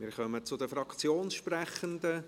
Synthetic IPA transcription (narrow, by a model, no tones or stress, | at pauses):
mɪːɾχœmət͡sʊd̪əfɾɑkt͡sjoːnsʃprɛχənd̪ə